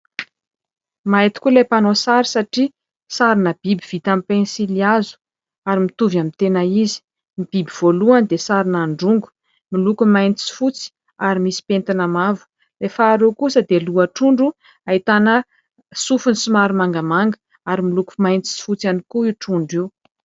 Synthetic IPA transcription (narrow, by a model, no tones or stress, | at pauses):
majt̪i̥kulepanosaɾisaʈ͡ʂi | saɾinəb̥ibiv̥it̪amipensiliazu̥ | aɾimit̪uvjamint̪enaizi̥ | mib̥ibiv̥oluand̪esaɾinaɳɖ͡ʐuŋɡu̥ | milukumajnt͡s̪isi̥fut͡si̥ | aɾimisi̥pent̪inamavu̥ | lefaːɾukusəd̪eluaʈ͡ʂuɳɖ͡ʐu | ait̪anə | sufunisumaɾumaŋɡəmaŋɡə̥ | aɾimiluku̥majnt͡s̪i̥si̥fut͡sanikuiʈ͡ʂuɳɖ͡ʐiw